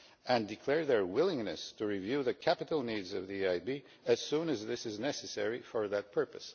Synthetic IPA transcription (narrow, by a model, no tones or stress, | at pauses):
ɨ̃ndɨkʰl̥ɛɹðə˞wɪlˠɪ̃ŋnɨ̰stʰɨɹivjʉðɨkʰæpɨɾl̩ˠnidzʌvðiaɪbi | ɨz̥sũnɨzðɪsɨznɛsɨsɛɹifə˞ðɨt̚pʰɜ˞pɨs